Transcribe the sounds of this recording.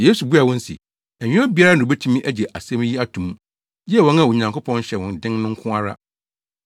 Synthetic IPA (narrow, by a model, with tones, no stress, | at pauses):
jeː˦su˨bu˦a˨wɔ̃˦n˦sḭ˨ | æ˨ɲᶣɪ̃˦ɔ˦bi˨˦a˦ɾa˦nʊ̃˨o˨bæ˦tʰũ˦mĩ˦ʔæ˦d͡ʑɛ˨ʔa˨sɛ̃˦m˦ji˦a˦tʰũ˨m̃˦ | d͡ʑɛ˦˨wɔ̃˦na˦˨wo˨ɲã˨ŋko˦pʰɔ̃˦n˦ɕɛ˨wɔ̃˨n˨dɪ̃˦ŋ˦nʊ̃˦ŋ̩˦kʰʊ̃˦a˦ɾa̰˦